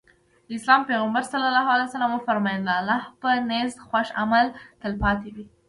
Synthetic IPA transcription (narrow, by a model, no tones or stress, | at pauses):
d̪əɪslɑmpeɣambaɾsalːalɑɦwalajsalamʊfaɾmɑjanlalɑhpənezd̪xwaʃamalt̪əlpɑt̪ewi